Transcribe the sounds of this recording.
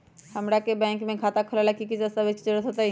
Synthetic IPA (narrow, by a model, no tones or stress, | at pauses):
həmɾakebɛ̃ːŋkmẽkʰaːt̪akʰəlalakikɪt͡ʃəsaʋɪt͡ʃt͡ʃəɾət̪ʰot̪a